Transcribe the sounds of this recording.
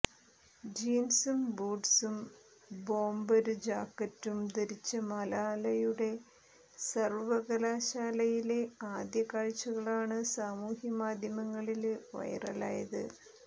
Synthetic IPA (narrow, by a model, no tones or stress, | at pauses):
d͡ʑiːnsumbuːɖsum | bo̞ːmbɐɾɨd͡ʑaːkːɐtːumd̪eɾit͡ɕːɐmɐlaːlɐjuɽe̞ | sɐrʋɐɣɐlaːɕaːlɐjile̞aːd̪jɐkaːɻt͡ɕːɐɣɐɭaːɳɨsaːmuːhjɐmaːd̪ʱjɐmɐŋːɐɭilʋɐ̰jɐ̰rɐ̰la̰ːjɐðɨ̰